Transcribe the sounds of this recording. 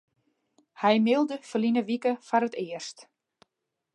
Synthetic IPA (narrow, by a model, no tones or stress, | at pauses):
hɛjmɪlˠdəfərlinəʋikəfaɾətɪərst